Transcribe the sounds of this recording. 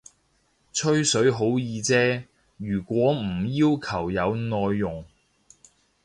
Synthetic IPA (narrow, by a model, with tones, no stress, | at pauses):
t͡ʃʰɵ˥ɥsɵ˨˥ɥɦo˨˥wjiː˨˧t͡sɛː˥ | jyː˨˩kʷɔː˨˥m̩˨˩jiː˥wkʰɐ˨˩wjɐ˨˧wnɔː˧jːʊ˨˩ŋ